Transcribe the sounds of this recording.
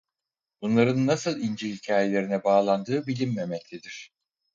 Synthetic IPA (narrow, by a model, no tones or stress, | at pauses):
b̥unlˠaɾɯnːasɯlˠind͡ʒihicʰaːje̞lʲe̞ɾinɛbaːlˠand̪ɯːbilʲimːemɛclʲid̪iɾ̝̥